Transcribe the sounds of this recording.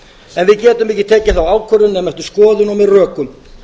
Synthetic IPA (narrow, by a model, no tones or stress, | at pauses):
ɛnvɪðcɛːt̪ʏmɪhcɪt̪ʰɛːcɪθawaːwkʰvœɾʏnɛmɛhft̪ʏ̥skɔːðʏnɔmɪrœːkʏm